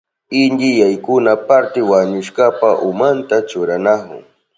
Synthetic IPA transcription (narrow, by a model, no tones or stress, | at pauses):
ɪnd̪ɪjajkʊnapaɾt̪ɪwaɲʊʃkapaʔʊmant̪at͡ʃʊɾanakʊ̰ŋ